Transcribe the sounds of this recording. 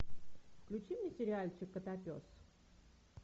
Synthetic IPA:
klʲʊt͡ɕimnʲɪsʲɪɾʲɪalʲt͡ɕɪkːət̪apʲo̰s

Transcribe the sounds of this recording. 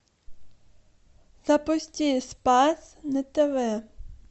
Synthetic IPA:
z̥ɐpɔsʲtʲispɑs | nɛt̪ɛʋɛ

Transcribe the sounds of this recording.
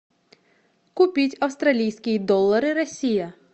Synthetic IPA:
kʊpʲitʲɐwst̪ɾɐlʲijsʲkʲid̪ɔlˠːɐɾɪɾɐsʲijɐ

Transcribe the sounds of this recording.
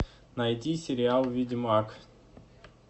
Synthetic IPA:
najt̪ʲisʲeɾʲialˠvʲid̪ʲimak

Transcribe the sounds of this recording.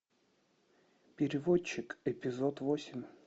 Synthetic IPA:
pʲɪɾʲɪvot͡ɕːɪkɛpʲɪzot̪vosʲɪmʲ

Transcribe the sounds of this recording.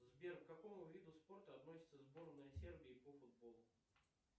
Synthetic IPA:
zbʲerkkɐko̞mʊvʲid̪ʊspo̞rt̪əɐt̪no̞sʲɪt̪səzbo̞ɾənɐsʲerbʲɪːpofʊd̪̚bo̞lˠʊ

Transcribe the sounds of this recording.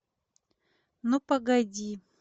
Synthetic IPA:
nupɐɡɐdʲi

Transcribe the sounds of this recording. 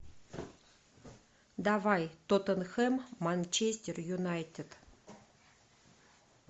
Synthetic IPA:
d̪ɑvɑjt̪ot̪ənxemːanʲt͡ɕesʲtʲerjunɑjt̪ʲet̪

